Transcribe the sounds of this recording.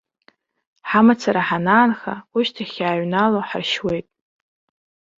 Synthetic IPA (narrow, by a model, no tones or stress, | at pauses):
ħamat͡sʰaɾaħanaːnχa̰uʃtʰaχʲaːɥnaloħarʃwe̞jtʼ